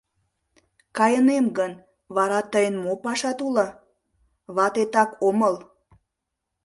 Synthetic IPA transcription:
kɑjənemɡən | βɑɾɑt̪əjənmopɑʃɑt̪ulɑ | βɑt̪et̪ɑkʰoməl

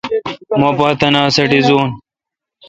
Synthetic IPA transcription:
mopɐːt̪ɐnaːsɐʈizoːn

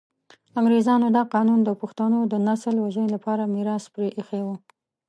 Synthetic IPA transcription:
amɾezɑnod̪ɑqɑnund̪əpaxt̪anod̪ənasəlwaʒənelapɑɾamiɾɑspɾeʔexewə

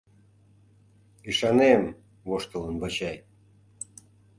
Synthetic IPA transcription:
iʃɑnem | βoʃt̪ələnβət͡ɕɑj

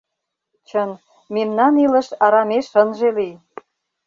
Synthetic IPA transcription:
t͡ɕən | memnɑnilə̆ʃɑɾɑmeʃənʒelij

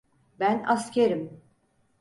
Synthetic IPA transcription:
bænascʲʰeɾim

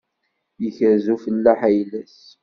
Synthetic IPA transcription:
jəçəɾzufəlːaħæjlæs

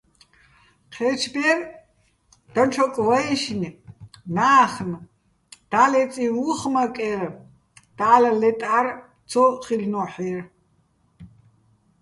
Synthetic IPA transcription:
qʰɛt͡ʃʰbɛr | d̥̪ɐnt͡ʃʰɔkʼvɐɛʃnnaːχn | d̪̥aːlɛt͡sʼiwuχmɐkʼɛr | d̪̥aːlɐlɛtʼar | t͡sʰɔχilnɔħir

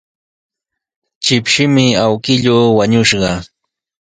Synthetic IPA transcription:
t͡ʃɪpʃɪmɪawkɪʎoːwaɲʊʃɢɑ

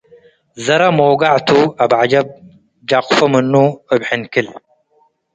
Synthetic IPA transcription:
zɐɾɐmoːɡaʕt̪uabʕad͡ʒɐb̚ | d͡ʒaqfɐmɨnːuɨbħɪnkɨl

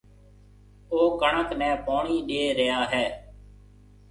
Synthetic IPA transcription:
oːkəɳəknɛ̃ːpoːɳiːɗeːɾɪjaːɦɛː

